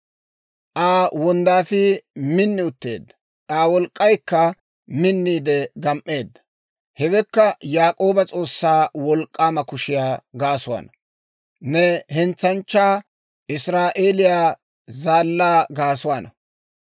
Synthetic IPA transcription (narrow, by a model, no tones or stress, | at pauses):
ʔaːwɔnd̪aːfɪmɪnːɪʊt̪ːe̞̰ːd̪ːɐ̥ | ʔaːwɔlkʼːɐjkːɐ | mɪnːiːd̪ɛɡɐmʔːe̞ːd̪ːɐ̥ | hɛɡɛkːɐjaːkʼo̞ːbɐt͡sʼo̞ːsːaːwɔlkʼːaːmɐkʊʃɪjaːɡaːsʊwa̰nɐ | nɛhɛnt͡sːɐnt͡ʃːaː | ʔɪsɾaːʔeːlɪjaː | zaːlːaːɡaːsʊwanɐ